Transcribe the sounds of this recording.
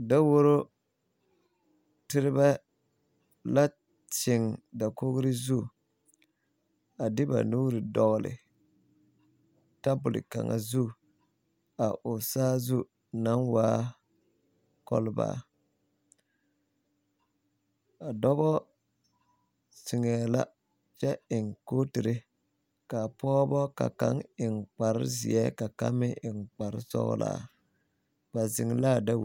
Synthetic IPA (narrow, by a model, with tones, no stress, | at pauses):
da˦wo˦ɾo˦ | tɪ˦ɾɪ˦ba˦ | la˦ | t͡ʃɪ˨ŋda˨ko˦ɣɾɪ˦zu˦˨ | a˨dɪ˦ba̰˨nuː˦ɾɪ˨dɔ˨ɣlɪ̰˨ | ta˦bʊ˨lɪ̰˨ka̰˨ŋa̰˨zu˦˨ | a˨ʔʊ˨saː˦zu˦ | na˦nwaː˦ | kɔ̰˦lba̰ː˦˨ | a˨dɔ˦bɔ˦ | si˨ŋɛ˨la̰˦ | t͡ʃɛ˦ɪ˨ŋkoː˦ti˨ɾɪ˦ | ka˨pɔː˦bɔ˦ka̰˨ka̰˦ŋɪ˨ŋk͡pa˨ɾɪ̰˦zḭ˨ɛ˦ka˨ka̰˦mɪ˦ʔɪ˨ŋk͡pa˨ɾɪ̰˦sɔ̰˦ɣ̰la̰˨ | ba˨zɪ˨ŋlaː˦da˦w